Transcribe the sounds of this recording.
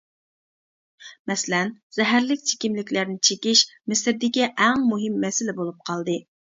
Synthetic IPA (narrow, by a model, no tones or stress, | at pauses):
mɛsɪlɛnz̥ɛɦæɾlɪk̚ʲt͡ʃʰe̥kʲimlɪkʲlæɾnɪt͡ʃʰekʲiʃmɪsɪɾd̪ɪkʲiʔɛŋmuɦɪmːɛsɪlɪbolˠup̚qʰɑlˠd̪ɨ